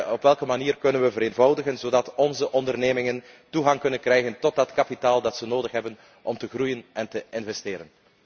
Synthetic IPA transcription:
ɔpʋɛlˠkəmaniːrkɵnənʋəvəɾeːnvɑwdəɣənzoːdɑtɔnzəʔɔndərneːmɪŋən | tuɣɑŋkɵnənkrɛjɣəntɔt̚dɑtkapitaːlˠdɑtsənoːdəxɦɛbən | ʔɔmtəɣrujənɛntəɪnvɛsteːɾən

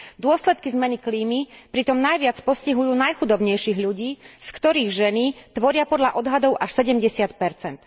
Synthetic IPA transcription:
d̪ʊɔslɛt̪kizmɛnikliːmipɾit̪ɔmnajʋɪat͡spɔsciɦujuːnajxud̪ɔbɲɛjʃiːɣʎuɟiːskt̪ɔɾiːɣʒɛnit̪ʋɔɾɪapɔd̪ʎaʔɔd̪ɦad̪ɔʊʔaʃsɛɟɛmɟɛsɪat̪pɛɾt͡sɛnt̪

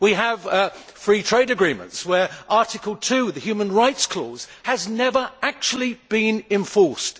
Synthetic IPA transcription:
wiəv̥fɹiːtʰɹ̥eɪɾɨɡɹĩmə̰̃ntswə˞ʔɑˑtɪkəlˠtʰʉːðəhjʉːmə̃nɹaɪtskʰl̥ɔ̰ːz̥həznɛvə˞ak̚t͡ʃul̩ˠib̥ĩnɪ̃ɱfɔɹst

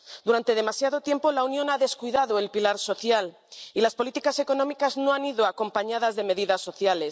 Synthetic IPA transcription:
d̪uɾant̪e̞ð̞e̞masjaðo̞t̪je̞mpo̞launjo̞naðe̞skwiðaðo̞elpilaɾso̞θjal | ilaspo̞lit̪ikase̞ko̞nomikaznoaniðoako̞mpaɲað̞azðe̞me̞ðiðasːo̞θjale̞s

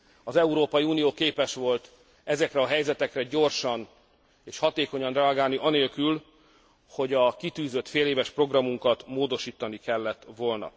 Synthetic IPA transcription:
ɒzɛuɾoːpɒiuːnijoːkeːpɛʃʋo̞lt̪ | ɛzɛkrɛɒɦɛjzɛt̪ɛkrɛɟo̞rʃɒn | eːʃhɒt̪eːko̞ɲɒnrɛɒɡaːlniʔɒneːlkyl | ho̞ɟɒkit̪yːzø̞t̪feːleːvɛʃpro̞ɡrɒmuŋkɒt̪moːd̪o̞ʃiːt̪ɒnikɛlːɛt̪ːʋo̞lnɒ̰

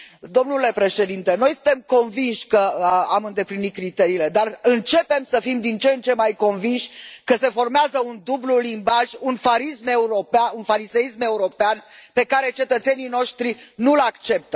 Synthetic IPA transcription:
d̪o̞mnule̞pɾe̞ʃe̞d̪int̪e̞no̞jsɨnt̪e̞mko̞nvinʃʲkəamɨnd̪e̞plinitkɾit̪e̞ɾiːle̞d̪arɨnt͡ʃe̞pe̞msəfimd̪int͡ʃent͡ʃe̞majko̞nvinʃʲkəse̞fo̞rmeazəund̪ublulimbaʒunfaɾisme̞uɾo̞paunfaɾise̞isme̞uɾo̞peanpe̞kaɾe̞t͡ʃe̞t̪ət̪se̞nino̞ʃt̪ɾinulakt͡ʃe̞p̚t̪ə

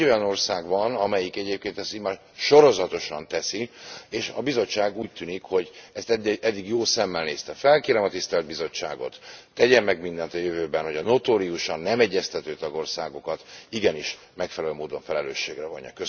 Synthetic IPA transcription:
o̞jɒno̞rsaːɡvɒnɒmɛjikɛɟeːp̚keːnt̪ɛst̪imaːr | ʃo̞ɾo̞zɒt̪o̞ʃɒnt̪ɛsieːʃɒbizo̞ːaːɡuːc̚t̪yːnikho̞ɟɛst̪ɛd̪ːiɡjoːsɛmːɛlneːst̪ɛfɛlkeːɾɛmɒt̪ist̪ɛld̪̚bizo̞t͡ʃːa̰ːɡo̞̰t̪ːɛɟɛmːɛɡmind̪ɛnt̪ɒjøvøːbɛnho̞ɟɒno̞t̪oːɾiuʃɒnːɛmɛɟːɛst̪ɛt̪øːt̪ɒɡo̞rsaːɡo̞kɒt̪iɡɛniʃ | mɛkfɛlɛlømoːd̪o̞ɱfɛlɛløːʃːeːɡrɛvo̞̰ɲːɒ̰køs

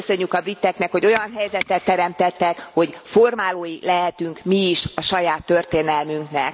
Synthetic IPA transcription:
sø̞ɲːykɒbrit̪ːɛknɛkho̞ɟo̞jɒnɦɛjzɛt̪ːɛt̪ːɛɾɛmt̪ɛt̪ːɛkho̞ɟfo̞rmaːloːjilɛɦɛt̪yŋkmiːʃɒʃɒjaːt̪ːø̞rt̪eːnɛlmyŋknɛk

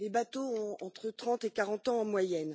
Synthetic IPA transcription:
lebat̪oɔ̃ɑ̃t̪χət̪χɑ̃t̪ekaʁɑ̃t̪ɑ̃ːmwajɛn

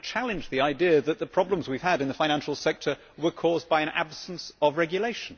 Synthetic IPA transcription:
t͡ʃʰælˠɨ̃nd͡ʒðiaɪdiəðət̪̚ðəpʰɹ̥ɒblə̃mzwiv̥əɾɨ̃nðəfãɪɾ̃æ̃nʃl̩ˠsɛk̚tʰə˞ | wə˞kʰɔːz̚baɪɨ̃ña̰b̥sə̃n̩səvɹɛɡjəleɪʃə̃n̩

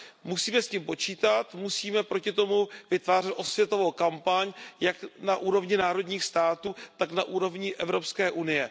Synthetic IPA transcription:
musiːmɛscimpo̞t͡ʃiːt̪at̪musiːmɛpɾo̞cɪt̪o̞muvɪt̪vaːr̝ɛt̪ʔo̞svjɛt̪o̞vowkampaɲjaknaʔuːɾo̞vɲɪnaːɾo̞d̪ɲiːxst̪aːt̪uːt̪aknaʔuːɾo̞vɲɪʔɛvɾo̞pskɛːʔunɪjɛ

